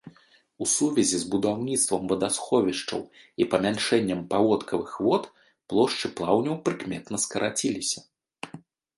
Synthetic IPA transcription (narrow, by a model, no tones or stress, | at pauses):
usuvʲɛzʲizbud̪awnʲit̪st̪vɐmvɐd̪asxɔvʲiʂt͡ʂɐ̰w | ipɐmʲanʂɛnʲːɐmpavɔt̪kʰɐvɨxvɔt̪ | plˠɔʂt͡ʂɨplˠawnʲɛwpɾɨkmʲɛt̪nɐskɐɾʔat͡sʲilʲisʲɐ